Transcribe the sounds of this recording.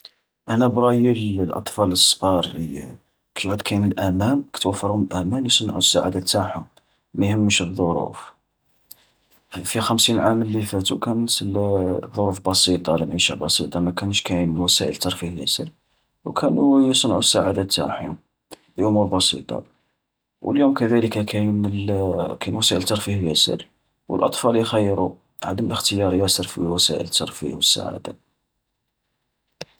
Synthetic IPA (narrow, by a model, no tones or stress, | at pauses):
ʔænæbɾˤɑjəllʔɑ̰t̪ˤfɑləsˤːqɑɾˤli | kʰæjʕæd̪kʰæjnəlʔæmænkə̥t̪wəfːɑɾˤhʊməlʔæmænjsˤənʕusːaʕad̪æt̪ːaħum | mæjhəmːəʃðˤːoɾṵf | fixəmsinʕaməlːifæt̪ukænt̪lðˤːoɾufbɑsˤit̪ˤɑləmʕiʃæ̰bɑsˤḭt̪ˤɑmækænʃkæjənwæsæʔəlt̪ɑɾˤfihləsəl | wkʰænujəsˤnʕusːaʕad̪æt̪ːa̰ħ | biʔʊmuɾbɑsḭt̪ˤɑ̰ | wəljumkæd̪æləkakʰæn | kænwæsæʔəlt̪ːɑɾˤfihlæsə̰l | wə̰lʔɑt̪ˤfɑljxæjːɾu | ʕad̪əmələxt̪əjɑɾˤjæsəɾfiwæsæ̰ʔə̰lt̪ːɑɾˤfḭhwəsːa̰ʕa̰d̪æ̰